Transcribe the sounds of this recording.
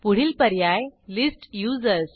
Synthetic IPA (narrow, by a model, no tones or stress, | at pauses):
puɽ̤iːlpəɾjajlisʈjud͡zəɾs